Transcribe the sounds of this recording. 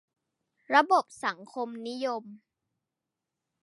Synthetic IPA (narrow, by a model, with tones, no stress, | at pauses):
ɾa˧bo˨˩p̚sa˩˦ŋkʰo˧mni˦˥jo˧m